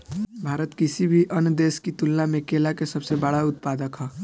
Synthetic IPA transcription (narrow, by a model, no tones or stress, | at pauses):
bʱaɾət̪kisibʱiʔənd̪eskit̪ulnamekelakesəbsebəɽ̤aʊt̪̚pad̪əkɦɔ